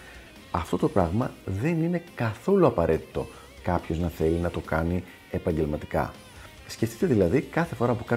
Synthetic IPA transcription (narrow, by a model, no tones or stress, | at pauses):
ɐft̪o̞t̪opɾɐɣmɐðe̞nine̞kɐθo̞luɐpɐɾe̞t̪i̥t̪o̞ | kɐpço̞znɐθe̞linɐt̪o̞kɐni | e̞pɐɲɟe̞lmɐt̪i̥kɐ̰ | sceft̪i̥t̪e̞ðilɐðikɐθe̞fo̞ɾɐpukɐ